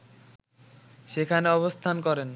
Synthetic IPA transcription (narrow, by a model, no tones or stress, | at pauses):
ʃekʰaneɔβost̪ʰankɔɾen